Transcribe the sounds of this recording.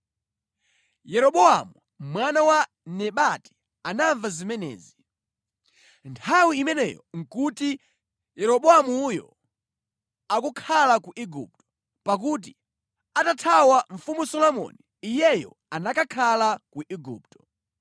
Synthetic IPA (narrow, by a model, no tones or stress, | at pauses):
jɛɾɔɓɔamu | mwanawa | nɛɓati̥ | anaɱvazimɛnɛ̰ːzi | ntʰawiimɛnɛ̰jɔ̰ŋ̩kuti | jɛɾɔɓɔamujɔ̰ | akukʰalakuʔiɡṵp̚tɔ̥ | pak̬ut̬i | atatʰawaɱfumusɔlɔmɔ̰niːjɛjɔ̰ | anakakʰalakuʔiɡṵːp̚tɔ̥